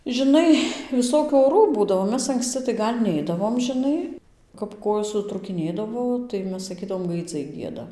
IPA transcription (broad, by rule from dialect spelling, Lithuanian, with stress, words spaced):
ʒʲɪˈnɐɪ ʋʲɪˈsoːkʲuː oːˈruː ˈbuːdɐʋoː ˈmʲɛs ɐŋksʲˈt͡sʲɪ tɐɪ ˈɡɐlʲ ˈnʲɛɪdɐʋoːm ʒʲɪˈnɐɪ kɐp ˈkoːjoːs sʊtruːkʲɪˈnʲeːdɐʋoː tɐɪ ˈmʲɛs sɐˈkʲiːdɐʋoː ɡɐɪˈd͡zɐɪ ˈɡʲiɛdɐ